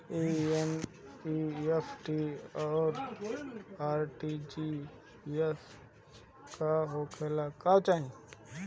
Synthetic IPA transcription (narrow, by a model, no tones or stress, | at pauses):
ien | iepʰʈiɔːɾ | aːɾʈid͡ʒi | es | kaɦoːkʰelakat͡ʃaːɦĩ